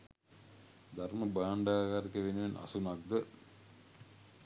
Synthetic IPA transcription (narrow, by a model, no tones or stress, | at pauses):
d̪arməbaːɳɖaːɡaɾikəʋenəʋenʔa̰sunak̚d̪ə